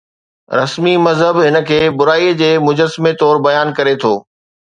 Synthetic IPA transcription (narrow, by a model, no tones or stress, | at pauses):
ɾɐsmimɐzɦəbɦɪnə̆kʰeːbʊɾaːid͡ʑeːmʊd͡ʑəsmet̪ɔːɾbɐjaːnkɐɾet̪ʰoː